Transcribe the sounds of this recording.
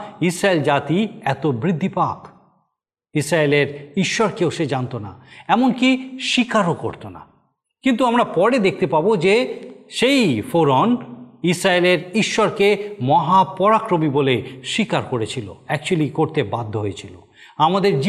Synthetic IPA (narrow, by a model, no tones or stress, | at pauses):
isɾaeld͡ʑat̪iɛt̪obɾid̪ʱːipak | isɾaeleɾiʃːɔɾkewʃed͡ʑant̪ona̰ɛmonkiʃikaɾoko̰ɾt̪ona̰ | kint̪uamɾapɔɽed̪ek̚ʰt̪epabod͡ʑeʃejfoɾonisɾaeleɾiʃːɔɾkemɔɦapɔɾakɾomiboleʃikaɾkoɾet͡ɕʰilo̰ɛk̚t͡ɕualikoɾt̪ebad̪ʱːoɦojet͡ɕʰilo̰ | amad̪eɾd͡ʑ